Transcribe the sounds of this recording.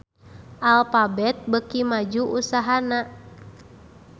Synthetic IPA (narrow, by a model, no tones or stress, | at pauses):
ʔalfabɛt̪̚bəkimad͡ʒuʔusaɦana